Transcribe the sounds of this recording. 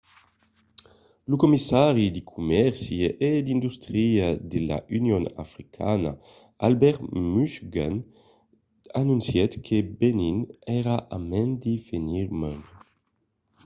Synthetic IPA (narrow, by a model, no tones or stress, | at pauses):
lukumisaɾid̪ikʰumɛɾsjiʔed̪ind̪ust̪ɾiad̪ela̰ʔynjona̰fɾikʰa̰na̰ | albɛɾt̪myʃɡan | anũnsjɛt̪kʰebeninɛɾaʔamɛnd̪ifeniɾmɛn